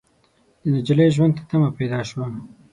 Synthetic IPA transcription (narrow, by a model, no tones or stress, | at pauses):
d̪̥ənad͡ʒalejʒwand̪t̪ḁt̪amapajd̪ɑʃwa